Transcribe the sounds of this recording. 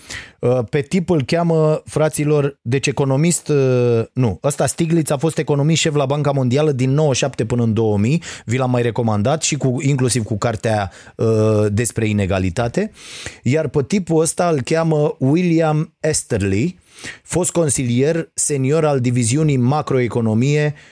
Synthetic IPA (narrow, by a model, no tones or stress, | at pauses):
əpe̞t̪ipulkʲaməfɾat̪silo̞rd̪e̞t͡ʃe̞ko̞no̞mist̪nuəst̪ast̪iɡlit̪safo̞st̪e̞ko̞no̞miʃe̞flabaŋkamo̞nd̪ialəd̪inːo̞wəʃapt̪e̞pɨnəɨnd̪o̞wəmijvilamːajre̞ko̞mand̪at̪ʃikuiŋklusivkukart̪ea | əd̪e̞spɾe̞ine̞ɡalit̪at̪e̞jarpet̪ipuəst̪aɨlkʲaməwiliamest̪erli | fo̞st̪̚ko̞nsilije̞rse̞nio̞ɾald̪iviziunijmakɾo̞e̞ko̞no̞mije̞